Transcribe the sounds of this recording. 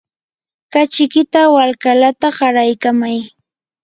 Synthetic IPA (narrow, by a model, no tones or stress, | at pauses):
kat͡ʃɪkɪt̪awalkalat̪aɢɑɾajkamaj